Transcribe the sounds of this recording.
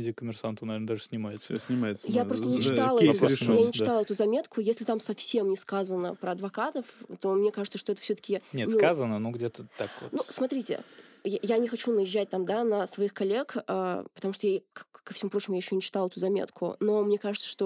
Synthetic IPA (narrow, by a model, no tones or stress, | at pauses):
ɪdʲɪkəmʲɪrsant̪əʊnɐvʲeɾnəd̪aʐɨsʲnʲɪmajɪt̪səsʲnʲɪmaɪt̪sjapɾo̞st̪əzət͡ɕɪt̪alˠɛʊjanʲɪt͡ɕɪt̪alˠɛt̪ʊzɐmʲe̞t̪kʊjesʲlʲɪt̪amsɐfsʲe̞mnʲɪskazənə̰pɾəɐd̪vɐkat̪əft̪o̞mnʲe̞kaʐɨt̪səʂt̪oɛt̪ə̥fsʲot̪ə̥kʲɪnʲet̪skazənənoɡdʲet̪ət̪akvo̰t̪nusmɐt̪ɾʲitʲɪ̰jajanʲɪxɐt͡ɕunəjɪʑːæt̚ʲt̪amd̪anəsvɐixkɐlʲːe̞kə̰pə̥t̪ɐmuʂt̪ojakkːəfsʲɪmupɾot͡ɕɪmʊjajɪɕːonʲɪt͡ɕɪt̪ɑlˠɛt̪ʊzɐmʲḛt̪kʰʊ̰no̞mnʲe̞kaʐɨt̪sə̥ʂt̪o̞